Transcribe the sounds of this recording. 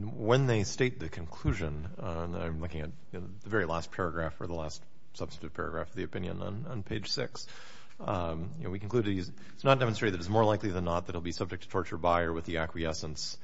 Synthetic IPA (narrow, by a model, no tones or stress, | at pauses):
wə̃nðeɪsteɪt̪̚ðɨkʰn̩kʰl̥ʉʒɨ̃n | ã̰ɪ̃mlʊkɪ̃ŋɨt̚j | ðɨvɛɹilæs̚pʰɛɹɨɡɹæfə˞ðəlæst | sʌb̥stɨɾɨv̥pʰɛ̰ɹɨɡɹæ̰fʌvðiɨpɪ̃njɨ̰̃nə̰̃nə̃npʰeɪd̥ʒ̥sɪks | jɨnowikʰn̩kʰl̥ʉdz | snət̚d̥ɛmə̃n̩stɹ̥ɪɨðɨɾɨzmɔɹlaɪkliðɨ̃nːət̪̚ðɨɾl̩ˠbisʌb̚d͡ʒɨk̚tʰɨtʰɔɹt͡ʃə˞baɪə˞wɨðiækwiɛsə̃ns